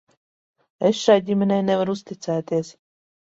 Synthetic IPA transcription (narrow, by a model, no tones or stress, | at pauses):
esʃajɟʲimʲenɛjnevaɾust̪it̪sæːt̪iɛs